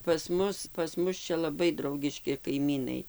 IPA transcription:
pɐs ˈmʊs pɐs ˈmʊs ˈt͡ʃʲɛ lˠɐˈbɐɪ ˈdrɐʊɡʲɪʃʲkʲɪ kɐɪˈmʲiːnɐɪ

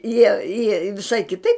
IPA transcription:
jiɛ jiɛ ʋʲɪˈʃɐɪ kʲɪˈtɐɪp

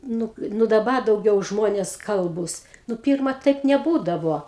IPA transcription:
ˈnʊ ˈnʊ dɐˈbɐ dɐʊˈɡʲɛʊ ˈʒmoːnʲeːs ˈkɐlˠbuːs nʊ ˈpʲiːrmɐ ˈtɐɪp nʲɛˈbuːdɐʋoː

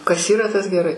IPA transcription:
kɐs ˈiːrɐ tɐs ɡʲɛˈrɐɪ

